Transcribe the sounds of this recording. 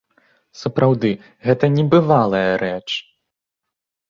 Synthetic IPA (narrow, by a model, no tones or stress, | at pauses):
sɐpɾawd̪ɨ | ɣɛt̪ɐnʲɛbɨvalˠɐjɐɾɛt͡ʂ